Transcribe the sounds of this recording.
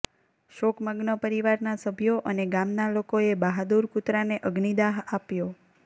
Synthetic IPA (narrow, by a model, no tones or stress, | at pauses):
ʃokməɡnəpəɾiʋaɾnasəbʱjoʔəneɡamnalokoebaɦad̪uɾkut̪ɾaneʔəɡnid̪aɦapjo